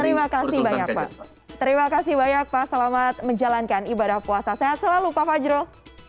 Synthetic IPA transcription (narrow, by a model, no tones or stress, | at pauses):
t̪əɾimakasihbaɲak̚pa̰ | t̪əɾimakasibaɲak̚pasəlamat̪̚məɲd͡ʒalankanibadahpuasaseɦat̪̚səlalupafad͡ʒɾo